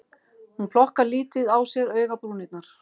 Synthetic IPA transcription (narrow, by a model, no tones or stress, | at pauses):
hunpʰl̥ɔhkaɾliːt̪ɪðawsjɛɾœːɥɣapɾuːnɪt̪naɾ̥